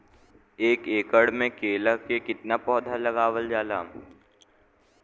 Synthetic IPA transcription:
eːkeːkəɽmẽkeːləkekɪt̪napɔːd̪ʱalɐɡaːʋəld͡ʒaːlaː

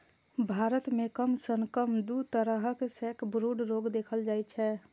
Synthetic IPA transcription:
bʱaːɾət̪mẽkəmsənkəmd̪ut̪əɾəɦəksɛkʰbɾuɖɾoːɡd̪eːkʰəld͡ʒaːjt͡ʃʰɛ

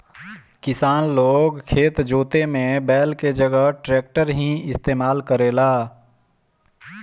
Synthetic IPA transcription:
kɪsaːnloːɡkʰeːt̪d͡ʒoːt̪emẽbɛːlked͡ʒəɡəɦʈɾeːk̚ʈəɾɦĩɪst̪eːmaːlkəɾeːlaː

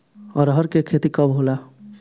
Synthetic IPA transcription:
ɔɾɦɔɾkekʰet̪ikɔbɦola

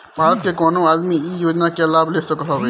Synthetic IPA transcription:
baːt̪̚kekɔːnõaːd̪miiːjoːd͡ʒnakelaːblesɐkloːɡ

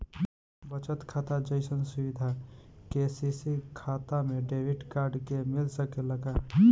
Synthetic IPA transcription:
bət͡ʃət̪kʰat̪ad͡ʒəɪsənsubid̪ʱakesisikʰat̪ameɖebiʈkaɾɖkemɪlsəkeləɡa

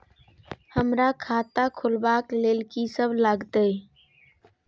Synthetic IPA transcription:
həmɾakʰat̪akʰulbaklelkisəbʱlaɡt̪ə

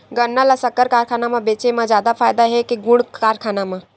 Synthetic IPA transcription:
ɡənːalasəkːəɾkaːɾkʰaːnamãbeːt͡ʃemãd͡ʒjaːd̪afʰaːjd̪aɦekeɡʊɽaːɾkʰaːnamã

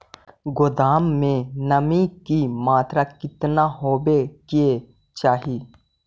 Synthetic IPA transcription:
ɡʊd̪aːmːẽnəmikimaːt̪ɾakɪt̪naɦoːbekie | t͡ʃaːɦi

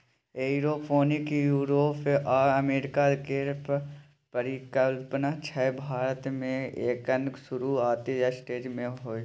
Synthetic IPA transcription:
eːɾoːpʰoːnɪkjuːɾoːpʔaːəmeːɾɪkaɾkeːɾp | pəɾɪkəlpnat͡ʃʰɛbʱaːɾət̪mẽeːkənksʊɾuaːt̪ijasʈeːd͡ʒmẽɦoːi

